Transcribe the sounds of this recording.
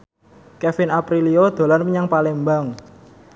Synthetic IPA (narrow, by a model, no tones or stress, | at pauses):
kɛfɪnapɾiliod̪̥o̤lanməɲaŋpalɛmbaŋ